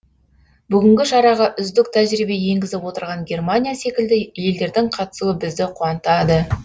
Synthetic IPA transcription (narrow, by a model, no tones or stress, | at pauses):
bʏɡʲɪŋɡʲɪʃɑɾɑʁɑʔʏzd̪ɪk̚t̪ʰæʒɾibe̞je̞ŋɡʲɪzɪpwo̞t̪əɾʁɑŋɡʲe̞rmanʲijase̞kʲɪld̪ɪje̞ld̪e̞ɾd̪ɪɴqʰɑt̪ə̥suəbɪzd̪ɪqʰuɑnət̪ɑd̪ə